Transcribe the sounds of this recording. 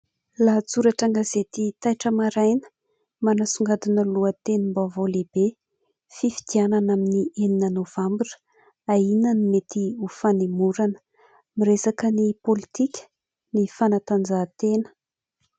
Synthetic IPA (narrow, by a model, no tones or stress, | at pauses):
lat͡suɾaʈ͡ʂaŋɡazet̪it̪ajʈ͡ʂəmaɾajnə̥ | manasuŋɡad̪inəluət̪enimbavoleb̥e | fifi̥d̪̥iananaminiʔeninanov̥ambirə̥ | ainənimet̪iufanemuɾanə̥ | miɾesakənipolit̪ikʲə̥ | nifanat̪and͡zat̪enə̥